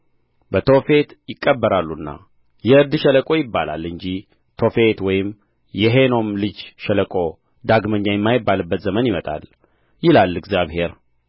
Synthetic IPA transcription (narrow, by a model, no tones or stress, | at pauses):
bət̪ʰo̞fe̞t̪jɪkʼːəbːəɾalːunːa̰ | jɛɨɾd̪ʃɛləkʼo̞jɪbːala̰lːɨɲd͡ʒi | t̪ʰo̞fe̞t̪wɔjɪm | jɛɦe̞no̞mlɨd͡ʒʃələkʼo̞ | d̪aɡməɲːajɛmːajɪbːalɨbːət̪zəmənjɪmət̪ʼa̰l | jɪlalːɨɡzjaβhe̞ɾ